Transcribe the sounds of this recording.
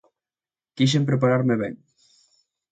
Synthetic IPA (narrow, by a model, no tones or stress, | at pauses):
kiʃ̬empɾep̬aɾaɾmeβḛŋ